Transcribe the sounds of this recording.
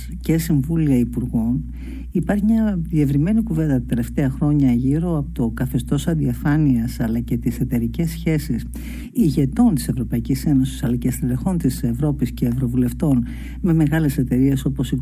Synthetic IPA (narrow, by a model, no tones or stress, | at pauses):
ce̞siɱvuliɐipuɾɣo̞n | ipɐɾçimɲɐðie̞vɾime̞nikuve̞nd̪ɐt̪t̪ele̞ft̪e̞ɐxɾo̞ɲɐʝiɾo̞ɐpot̪o̞kɐθe̞st̪o̞sɐnd̪iɐfɐniɐsɐlɐce̞t̪ise̞t̪e̞ɾice̞sçe̞sis | iʝe̞t̪o̞nt̪i̥se̞vɾo̞pɐicise̞no̞si̥sɐlɐcest̪eɾexo̞nt̪ise̞vɾo̞pisce̞ːvɾo̞vule̞ft̪o̞n | me̞me̞ɣɐle̞se̞t̪e̞ɾie̞so̞po̞si